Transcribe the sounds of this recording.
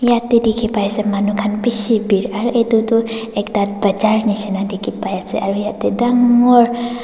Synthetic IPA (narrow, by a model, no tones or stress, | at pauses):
jat̪ːid̪ikʰipajasemanukʰanpisibiɾaɾuʔet̪ut̪uekd̪at̪̚bəd͡ʒaɾnisinad̪ikʰipajaseʔaɾujat̪ed̪aŋɔɾ